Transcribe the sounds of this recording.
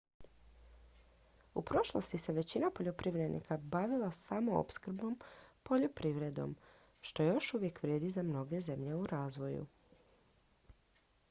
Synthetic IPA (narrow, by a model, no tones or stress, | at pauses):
upɾo̞ʃlˠo̰st̪ise̞ʋe̞t͡ɕinapo̞ʎo̞pɾiʋɾed̪nḭkabaʋilˠasamo̞o̰pskr̩bo̞mpo̞ʎopɾiʋɾe̞d̪o̞̰m | ʃt̪o̞ejo̞ʃuʋje̞kʋɾjeːd̪izamno̞ɡe̞ze̞mʎe̞uɾaːzʋo̞jṵ